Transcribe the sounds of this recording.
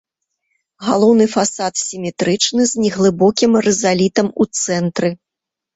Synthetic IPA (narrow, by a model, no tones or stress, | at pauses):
ɣalˠɔwnɨfasat̪sʲimʲɛt̪ɾɨt͡ʂnɨzʲnʲɛɣlˠɨbɔkʲimrɛzalʲit̪ɐmut̪sɛnt̪ɾɨ